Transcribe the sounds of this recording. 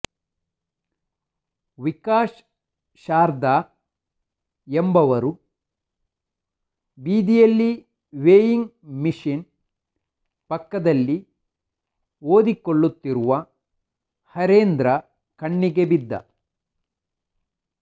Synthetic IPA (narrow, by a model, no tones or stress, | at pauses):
ʋikaːʃ | ʃaːɾd̪aː | embɐʋɐɾu | biːd̪ijɐlːi | ʋeːjiŋɡmiʃin | pɐkːɐd̪ɐlːi | oːd̪ikoɭːut̪ːiɾuʋɐ | hɐɾeːnd̪ɾɐ | kɐɳːiɡebid̪ːɐ̰